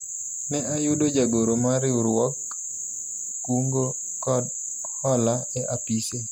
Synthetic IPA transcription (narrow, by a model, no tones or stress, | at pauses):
nɛʔajudod͡ʒaɡoɾomaɾɪuɾwɔk | kwuŋɡo | kɔd | hɔlaɛʔapise